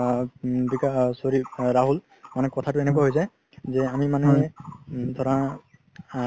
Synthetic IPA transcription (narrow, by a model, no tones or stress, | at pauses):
bikasoɹiɹaɦul | manɛkɔtʰatʊeɛnekwaɦojzaj | zɛamimanɛ | d̪ʱɔɹa